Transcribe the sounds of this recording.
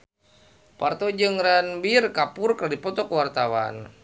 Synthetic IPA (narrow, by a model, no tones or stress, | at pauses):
part̪ɔd͡ʒɨŋɾanbirkapʊrkəradipɔt̪ɔkwart̪awa̰n